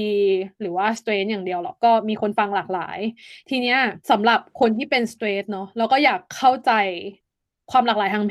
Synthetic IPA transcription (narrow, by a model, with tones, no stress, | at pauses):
ɾɯː˩˦waː˥˩st̪ɾeː˨˦˥njaː˨˩ŋdi˧əwlɔ˨˩kɔː˥˩miː˧kʰo˧nfa˧ŋlaː˨˩k̚la̰ː˩˦jt̪ʰiː˧ni˦˥ɐsa˩˦mɾa˨˩p̚kʰo˧nt̪ʰiː˥˩pe˧nst̪ɾeː˦˥t̪̚nɔ˦˥lɛː˦˥wkɔː˥˩jaː˨˩kʰːa˥˩wt͡ɕa˧j | kʰwaː˧mlaː˨˩klaː˨˩˦jt̪ʰa˧ŋpʰ